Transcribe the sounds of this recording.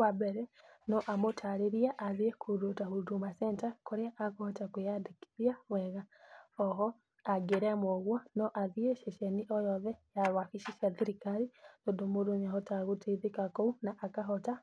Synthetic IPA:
wabeɾɛnɔʔamotʰaɾeɾiaʔːðiekʰuɾotahudumasɛntakoɾeaʔakohotakujadeki̥ðjamwɛɣaɔɦɔ | aɡeɾemoɣwanɔʔaðieʃeʃeniʔɔjɔðɛjaɾwaxiʃiʃasiɾikaɾidodomoɾoɲaɦotaɣuteðekakounaʔːkaɦota

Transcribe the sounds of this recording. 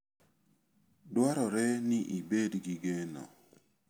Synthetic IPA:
dwaɾɔɾɛnɪʔibedɡiɡenɔ̰

